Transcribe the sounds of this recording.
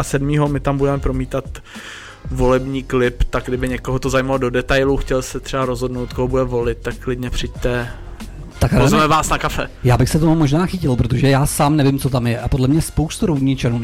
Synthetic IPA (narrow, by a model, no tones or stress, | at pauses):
asɛdmiːɦomɪt̪ambudɛmɛpɾomiːt̪at̪ | vo̞lɛbɲiːklɪpt̪aɡ̚ɡdɪbɪɲɛkoɦot̪ozajmalodo̞dɛt̪ajluxcɛlsɛt̪r̝̥ɛbaɾozɦo̞dnowt̪̚koɦobudɛvo̞lɪt̪̚t̪akklɪdɲɛpr̥ɪc̚t̪ɛ | t̪akazɛmɛvaːsnakafɛjaːbɪxsɛt̪omumo̞ʒnaːxɪcɪlpɾo̞t̪̬oʒɛjaːsaːmnɛvɪmt͡so̞t̪amjɛʔapodlɛmɲɛspowst̪uɾowɲɪt͡ʃɛnuː